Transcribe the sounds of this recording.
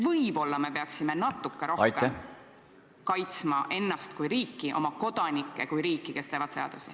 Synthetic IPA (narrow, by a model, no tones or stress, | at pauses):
vɤjb̥o̞lːɑme̞pe̞ɑksime̞nɑt̪ːˑukːˑe̞ɾo̞kem | kɑjt̪smɑʔe̞nːɑst̪kujɾiːkˑːiʔo̞̰mɑko̞d̪̥ɑnʲikːˑe̞kujɾiːkːike̞st̪eːvɑt̪se̞ɑ̰d̪̥usi